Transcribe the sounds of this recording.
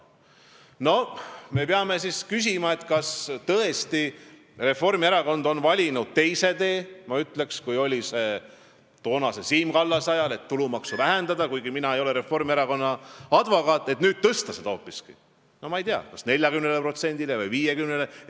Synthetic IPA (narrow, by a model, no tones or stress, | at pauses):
no̞me̞peɑme̞siskys̬ʲimɑe̞t̪kɑst̪ɤe̞st̪i | re̞fo̞rmieɾɑko̞nd̪o̞nvɑlʲinud̪̥̚t̪e̞jse̞t̪e̞ːmɑyt̪ˑle̞kskujo̞lʲise̞ː | t̪o̞ːnɑse̞siːmkɑlːɑsɑjɑle̞t̪ːulumɑksuvæɦe̞nd̪ɑd̪ɑkujɡ̥iminɑejo̞le̞ɾe̞fo̞rmieɾɑko̞nːɑɑd̪̥vo̞kɑːt̪ːˑe̞t̪nyːd̪̥̚t̪ɤst̪ɑsed̪ɑo̞ːpːˑiskḭ | no̞mɑeijt̪eɑ̰kɑsne̞lʲjɑɡymnelepro̞t̪se̞nʲd̪̥ilevɯjviːjekymnele